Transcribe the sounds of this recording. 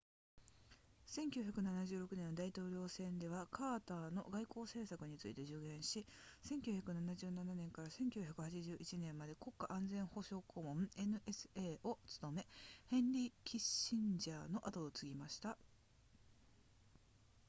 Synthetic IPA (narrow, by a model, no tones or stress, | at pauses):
sẽ̞ŋkʲɨ̟ːçakɯ̟nanaʑɨːɾo̞kɯ̟nẽ̞nːod̪ait̪o̞ːɾʲo̞ːsẽ̞nd̪e̞β̞akʰaːt̪aːno̞ɡaiko̞ːse̞ːsakɯ̟ɲ̟it͡sɨ̰ḭt̪e̞ʑɨːɡẽ̞ɰ̃ɕisẽ̞ŋkʲɨ̟ːçʲjakɯ̟nanaʑɨːnananẽ̞ŋkaɾasẽ̞ŋkʲɨçakɯ̟hat͡ɕiʑɨːʔit͡ɕinẽ̞mːad̪e̞ko̞kːaʔãnd͡zẽ̞ɰ̃ho̞ɕo̞ːkʰoːmõ̞me̞nɯ̟ʔe̞sɨ̥eːo̞t͡sɨ̥t̪o̞me̞hẽ̞nɾʲikʲʰiɕĩɲd͡ʑaːno̞ʔat̪oːt͡sɨɡʲimaɕi̥t̪a